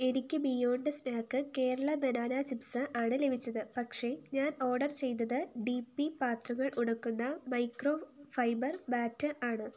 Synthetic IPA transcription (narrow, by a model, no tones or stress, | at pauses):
e̞nikʲːɨbijoːɳɖɨsnaːkːɨke̞ːɾɐɭɐbenaːnaːt͡ɕipsɨʔaːɳɨle̞bʱit͡ɕːɐðɨpɐkʂe̞ɲaːno̞ːrɖɐrt͡ɕe̞jnːɐðɨɖipːipaːt̪rɐŋːɐɭʔuɽɐkːunːɐmɐjkro̞ːfɐjbɐrbaːtːɨʔaːɳɨ